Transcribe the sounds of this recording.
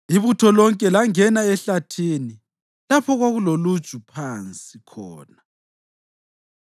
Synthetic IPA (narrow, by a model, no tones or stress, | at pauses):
iβutʰɔlɔŋkʼɛlaŋɛnaɛɬatʰiːni | lapʰɔɣwaɣulolud̥ʒ̥ʱupʰant͡sʼikʰɔ̰ːna